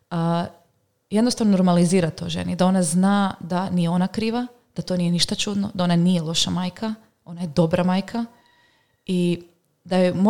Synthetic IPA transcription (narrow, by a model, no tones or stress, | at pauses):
jed̪nost̪aʋnono̞ɾmaliziːɾat̪o̰ʒḛnid̪ao̞naznaːd̪anijeo̞nakɾiːʋa | d̪̥at̪o̞nije̞niʃt̪at͡ʃud̪nod̪ao̞nanije̞lˠo̞ʃamaːjkʰa | o̞najed̪o̞bɾamaːjkʰa | i | d̪ajemo